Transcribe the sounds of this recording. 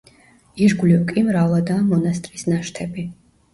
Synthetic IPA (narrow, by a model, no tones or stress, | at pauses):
iʒɡlikʼimɾalˠad̪amɔnast̪ʼɾisnaʃt̪ʰɛbi